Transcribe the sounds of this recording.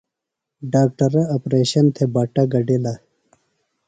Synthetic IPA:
ɖaːk̚ʈɐɾɐɐpɾeːɕɐnt̪ʰebaːʈaɡɐɖela

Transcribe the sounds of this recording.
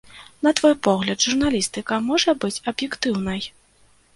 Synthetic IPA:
nɐt̪vɔjpɔɣlʲɐd̪ʐurn̪alʲist̪ɨkɐmɔʐɐbɨt͡sʲɐbjɛkt̪ɨwn̪ɐj

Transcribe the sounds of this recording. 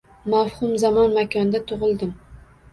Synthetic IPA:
mafhʊmzamɒnmakʲʰɒnd̪at̪ʰʊʁɨlˠd̪ɪm

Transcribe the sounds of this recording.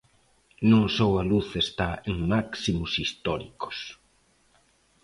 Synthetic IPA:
nũŋsowɐluθest̪aeŋmaksimosist̪ɔɾiko̥s

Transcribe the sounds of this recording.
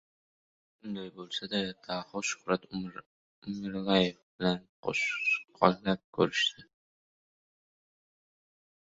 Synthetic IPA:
ʊnd̪ajbolˠsad̪ad̪̥ahʊʃʊ̥χɾat̪ʊ | ʊmɪɾlajefb̥ɪlanqo̰ʃqʰɒkʲlap̚kʲʰɵɾɪʃt̪ɪ

